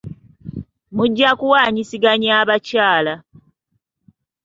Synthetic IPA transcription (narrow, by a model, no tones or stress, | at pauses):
muɟːakuwaːɲisiɡaɲaːβacaːla